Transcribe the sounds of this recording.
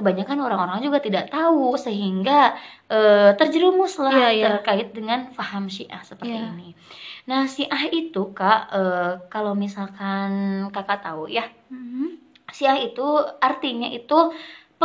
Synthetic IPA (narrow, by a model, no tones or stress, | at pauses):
kəbaɲakanoɾaŋoɾaŋd͡ʒuɡat̪idaʔt̪ausəɦiŋɡaʔəːt̪ərd͡ʒəɾumʊslah̪ərkaɪt̪̚dəŋanfahamʃiʔa̰hsəpət̪iininahsiʔahit̪ukaʔəːkalowmisalkankakaʔt̪auja | siahit̪uart̪iɲaʔit̪up